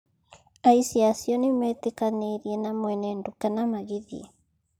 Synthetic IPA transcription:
aisiasjɔnimɛt̪ekaneɾjenamwɛnɛndukanamaɣiðḭ

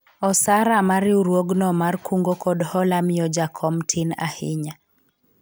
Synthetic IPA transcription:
ɔsaɾamaɾɪuɾwoɡnɔmarkʰuŋɡokʰɔdhɔlamɪɔd͡ʒakʰɔmtʰɪna̰hɪɲa

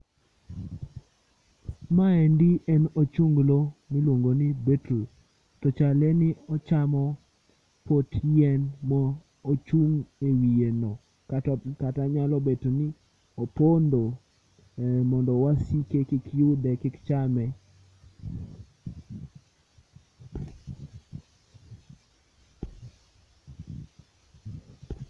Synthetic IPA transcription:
maɛndiʔɛnot͡ʃuŋɡlomilwoŋɡonibetu | tɔt͡ʃalɛnɪɔt͡ʃamɔ | potjɛnmɔː | t͡ʃuŋewijenɔ | kataɲalɔbetoni | opondo | mɔndɔwasikekɪkjudɛkɪkt͡ʃamɛ

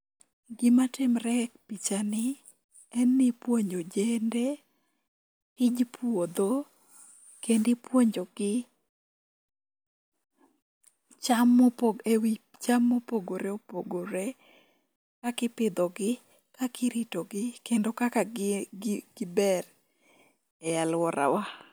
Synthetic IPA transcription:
ɡɪmatɪmɾɛk̚pit͡ʃanɪ | ɛnːɪpwoɲod͡ʒende | ɪd͡ʒpʰwod̪o | kendɪpwoɲd͡ʒoɡɪ | t͡ʃamɔpoewi | t͡ʃamːopoɡoɾeopoɡoɾe | kakɪpɪd̪ɔɡɪ | kakɪɾitoɡɪkendokaka | ɡ̥ɪbɛr | ɛjalwɔɾa̰wa

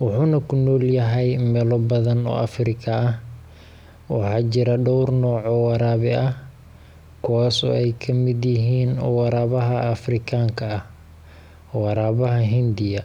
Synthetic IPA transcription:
wʊħuːnɐkʰʊnɔːljɐɦɛjmɛlɔbɐðɐnɔ̰ːʔɐfrɪkʰɐːh | wɑ̰ħɑːt͡ʃɪɾɐɖɔwrnɔːʕɔwɑɾaːβɪʔɐh | kʰʊwaːsɔ̰ːɛjkʰɐmɪd̪jɪɦiːnɔ̰ːwɑɾaːβɐɦɐːfrɪkʰaːŋkʰɐɐh | wɑɾaːβɐɦɐɦɪnd̪ɪjɐ

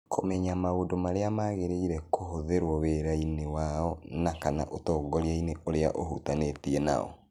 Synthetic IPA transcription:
kʰomɛɲamaondomaɾeamaːɣeɾeiɾɛkʰoɦoðeɾwɔweɾainewaɔnakana̰ʔotɔːɡɔɾiaineʔoɾea̰ʔoɦṵtanetiɛna̰ɔ̰

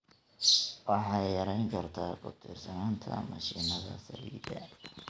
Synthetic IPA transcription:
wɑħɑjjɐɾɛjŋkʰɐrt̪ʰaːkʰʊ̰t̪ʰirsɐnaːnt̪ʰɐ̰mɐʃiːnɐðɐ̰sɐ̰lḭːd̪ɐ

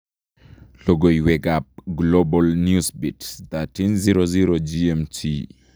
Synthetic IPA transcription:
loɡoiwɛɡap̚ɡlobɔlnjusbitst̪atinziɾoziɾod͡ʒiɛmtʰḭ

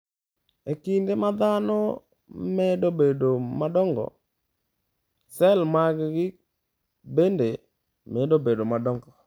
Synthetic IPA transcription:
ekindemad̪anɔ | mɛdobedomadɔŋɡɔ̰ | sɛlmaɡɡɪk̚ | bende | mɛdobedomadɔŋɡɔ

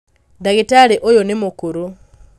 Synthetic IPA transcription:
daɣitaleʔojonimukuɾu

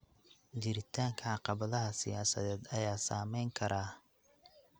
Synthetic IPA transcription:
d͡ʒɪɾɪt̪ʰaːŋkʰɐʕɑqɑβɐðɐɦɐsɪjaːsɐ̰ðɛːd̪ɐjaːsa̰ːmɛjŋkʰɐɾaː

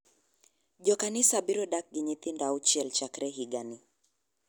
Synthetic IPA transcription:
ʄɔkanisabiɾɔɗak̚ɡiɲit̪indaut͡ʃiɛlt͡ʃakɾɛɦiɡani

